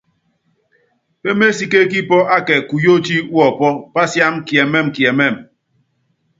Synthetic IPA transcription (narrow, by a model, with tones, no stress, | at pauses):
pe˦me˦si˦ke˦ki˦pɔ˦ʔa˦kɛ˨ku˨jo˦ti˦wɔ˦˨pɔ˦pa˦sja˦mkjɛ˨mɛ˦˨m˨kjɛ˨mɛ˦˨m